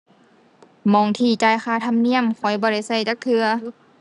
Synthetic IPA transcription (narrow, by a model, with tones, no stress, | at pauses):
mɔː˧˩ŋt̪ʰiː˧˩t͡ɕaː˧˩jkxaː˧˩t̪ʰa˧˥˨mni˧˥əmkʰɔ˨˧˩jbɔː˧ɾa˧˩jsa˧˩jt͡ɕa˧˦k̚t̪ʰɯ˧ɐ